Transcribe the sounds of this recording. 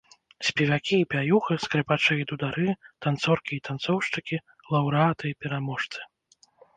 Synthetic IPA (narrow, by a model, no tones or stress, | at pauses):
sʲpʲɛvʲakʲiːpʲajuxɨskɾɨpat͡ʂɛjʲid̪ud̪aɾɨt̪ant̪sɔrkʲiːt̪ant̪sɔwʂt͡ʂɨkʲi | lˠɐwɾɨat̪ɨipʲɛɾamɔʂt̪sɨ̥